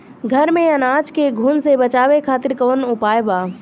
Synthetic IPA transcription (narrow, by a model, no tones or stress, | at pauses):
ɡʱəɾmẽənaːd͡ʒkeɡʱuːnsebət͡ʃaːʋekʰaːt̪ɪɾkoːnʊpaːjbaː